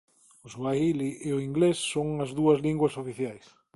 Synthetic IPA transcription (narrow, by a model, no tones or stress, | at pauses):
ʊswailiʔeʊiŋɡlesːoŋɐzðuɐzliŋɡwɐsofiθjajs